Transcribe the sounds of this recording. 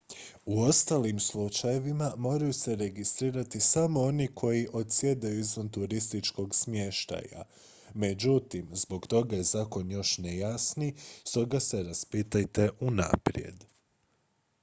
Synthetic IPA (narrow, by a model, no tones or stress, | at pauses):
uo̞st̪alimslˠut͡ʃaje̞ʋimamo̞ːɾajuse̞ɾe̞ɡist̪ɾiːɾat̪isamo̞o̞nikʰo̞jiʔo̞t̪sjed̪ajuizʋant̪uɾist̪it͡ʃko̞ɡsmje̞ʃt̪a̰ja̰ | me̞d͡ʒut̪imzbo̞kt̪o̞ɡajezaːko̞njo̞ʃnejasnist̪o̞ɡase̞ɾaspit̪ajt̪e̞ʔuna̰pɾje̞̰d̪